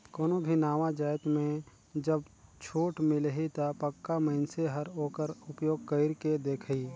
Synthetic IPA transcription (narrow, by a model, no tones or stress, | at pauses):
koːnobʱinaːʋad͡ʒaːɪt̪mẽ | d͡ʒəbt͡ʃʰoːʈmɪlɦit̪apəkːaməɪnseɦəɾɦoːkəɾʊpjoːɡ̚kəɪɾked̪eːkʰiː